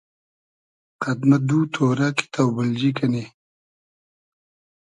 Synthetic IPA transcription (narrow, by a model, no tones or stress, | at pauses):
qɐd̪mɐd̪uːt̪ʰoːɾaːki̥t̪ʰawbəld͡ʑikɐne